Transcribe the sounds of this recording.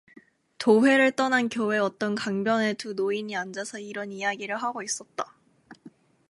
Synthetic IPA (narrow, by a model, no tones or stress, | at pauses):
toɸe̞ɾɯɭt͈ʌnankjowe̞ʌt͈ʌnkaŋbjʌne̞tunoiɲiand͡ʑasʰʌiɾʌnijaɡiɾɯɭɦaɡois͈ʌt̚t͈a